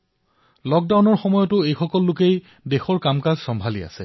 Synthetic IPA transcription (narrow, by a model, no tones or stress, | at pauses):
lɔk̚dawnɔɹxɔmɔjɔtʊejxɔkɔlːʊkej | dexɔɹkamkazsɔmbʱalia̰sɛ